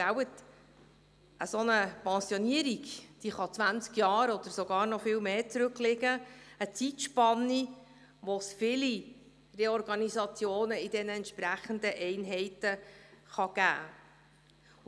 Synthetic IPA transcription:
awət | ʔəsonəpɛ̃sioniəɾiɡd̥iχɑt͡svʋænt͡skjɑːɾɔd̪̥əɾsoɡɑːɾnɔfɪːlmeːt͡sɾɵklɪɡəət͡sitʃpɑnːi | ʋɔsfɪli | rɛɔɾɡɑnizɑt͡sjoːnəidɛnəɛnt̪ʃpɾæχənd̪əʔɛɪnɦɛɪtəχɑɡ̥æ̰ː

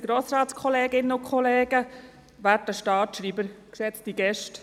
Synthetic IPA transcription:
ɡ̥ɾoːsɾɑːtskʰɔleːɡɪnəʊkʰχɔleːɡə | ʋæɾtəʃtɑːtʃɾiːbəɾkʃɛt͡stiɡɛʃt

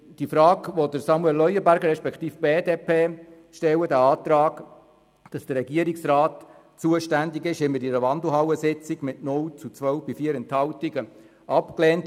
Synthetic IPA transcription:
d̥ifɾɑːɡʋodəɾsɑmuɛlːœjəbæɾɡəɾɛʃpɛkχt̪iːfb̥eːdeːpʰeː | ʃtɛwədæɑːt̪ɾɑːɡ | d̥ɑsd̥ərɾɛɡiəɾiksrɑːt | t͡suəʃtændiɡɪʃɪməɾiɾəʋɑndl̩ɦɑwəsɪt͡siɡmɪtnʊlt͡sut͡sʋœwfb̥ifiəɾɛnthɑwtiɡə | ʔɑpkleːnt

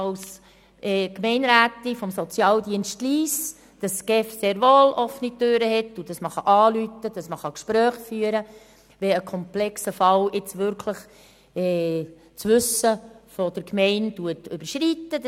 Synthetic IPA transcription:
ɑws | ʔɛːkmɛɪnɾæːtifɔmsɔt͡sjɑːldiənʃtliːs | d̥ɑsɡ̥ɛfseːɾʋoːlʔɔfnik̚døɾəhɛtːud̥ɑsməχɑʔɑːlytəd̥ɑsməχɑkʃpɾœːχfyːəɾə | ʋɛəkʰɔmplɛksəfɑlɪt͡sʋʏɾkʰləχ | ɛː | t͡sʋʏsəfod̥əɾkmɛɪntuətøb̥əɾʃɾitːəd

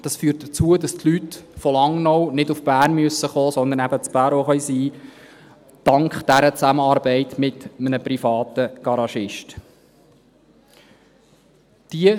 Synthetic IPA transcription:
d̥ɑsfyːrt̚d̥ət͡suədɑstʰlytfɔlɑŋːnownɪdʊfb̥æːrnmyəsːəχoːsɔnd̪ənæbət͡spæːɾoχœɥsiː | d̥ɑŋkχd̥æɾət͡sæməɑːɾbɛɪtmɪt̪mənəpɾifɑːt̪əɡ̥ɑɾɑʃɪʃt | d̥iə

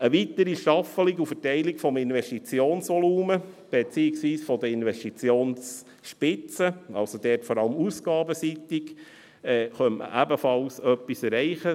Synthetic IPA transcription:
əʋit̪əɾiʃɑfəliɡufətɛɪlikfɔmɪnvɛʃtit͡sjoːnsʋɔluːməb̥et͡siːɪksʋiːsfɔd̪əɪnʋɛʃtit͡sjoːns | ʃpɪt͡səɑlsod̥̪ɛːtfɔɾɑləmusɡ̥ɑːbəsitɪk | ɛːχœnmʔə̰ʔæbəfɑlsœpːisɛɾɛɪχə

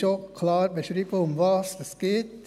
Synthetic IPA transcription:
ʃokʰlɑːɾbeʃɾiːbəʊmʋɑːsəsɡ̥ɪːt

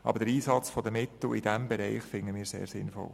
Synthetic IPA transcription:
ʔɑ̰bəɾd̥əɾiːsɑt͡sfɔd̪əmɪt̪l̩ɪd̥æmbɛɾɛɪχfɪŋəmiːsḛːɾsɪ̰nfɔ̰l

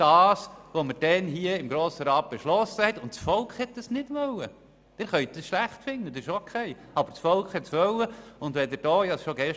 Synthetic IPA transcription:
d̥ɑːsʋoməɾd̥ɛnɦiəɪmɡɾoːsəɾɑːt̚b̥eʃlɔsəhɛt̪ʊntt͡sfɔlkχhɛt̚d̥ɑsnɪd̥ʋœlːə | d̥ɛɾχœʏɥt̪̚dɑsʃlæχtfɪnːəd̪ɛʃokʰχɛɪ | ɑbəɾsfɔlkχhɛtsʋœləʊndʋɛd̪ɪɾd̥ɔːjɑsʃoɡɛʃ

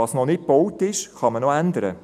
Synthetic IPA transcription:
ɑsnɔnɪt̚b̥ɔwtɪʃχɑmənoænd̪əɾə̰

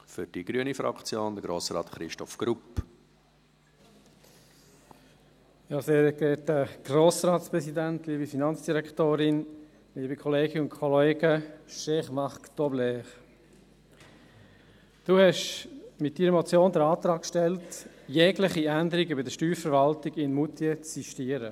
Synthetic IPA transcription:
fʏɾd̥iɡ̥ɾyənifɾɑ̰kt͡sjoːnd̪əɡɾoːsɾɑ̰ːt̪χɾɪʃtɔfɡ̥ɾup | jɑːseːɾɡɛːt̚dəɡ̥roːsɾɑːtspɾɛsidæntliːbəfinɑnt͡ssd̥iɾɛktoːɾɪn | liːbəkʰɔleːɡɪnʊnkʰɔleːɡəʃɛχmɑχkt̪ɔblɛːχ | d̥uːhɛʃmɪt̚d̥iːɾəmɔt͡sjoːndəɾɑːt̪ɾɑːk̚kʃtɛlt | jɛɡlɪχiænd̪əɾiɡʏbədəʃtyːɾfəɾʋɑltɪɡɪnmutʰiət͡sːiʃtiːəɾə

